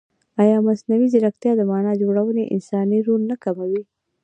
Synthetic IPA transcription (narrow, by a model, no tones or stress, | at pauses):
ajɑmasnawizɪɾaxt̪jɑd̪əmɑnɑd͡ʒoɽawəneʔɪ̰nsɑniɾoɾnakamawi